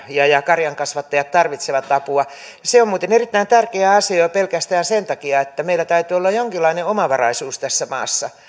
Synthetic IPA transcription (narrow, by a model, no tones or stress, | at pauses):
jɑjɑkɑrjɑŋkɑsʋɑt̪ːɑjɑt̪t̪ɑrʋit̪seʋɑt̪ːɑpuɑ | jɑseomuːt̪enerit̪ːæint̪ærkeæɑseopelkæst̪æːnsent̪ɑkiɑet̪ːæmeilːæt̪æyt̪yolːɑjjoŋkilːˑɑineomɑʋɑrɑisuːst̪æsːæmɑ̰ːsːɑ